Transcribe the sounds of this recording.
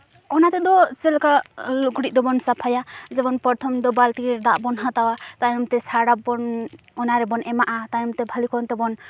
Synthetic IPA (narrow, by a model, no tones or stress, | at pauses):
ɔnat̪ɛd̪ɔt͡ʃɛlkaluɡɽiʔ̚d̪ɔbɔnsapʰajad͡ʒɛbɔnpɔɾt̪ʰɔmd̪ɔbalt̪iɾɛd̪aʔbɔnɦat̪awat̪ajɔmt̪ɛsʰaɽabɔn | ɔnaɾɛbɔnɛmaʔat̪ajɔmt̪ɛbʱalikʰɔnt̪ɛbɔn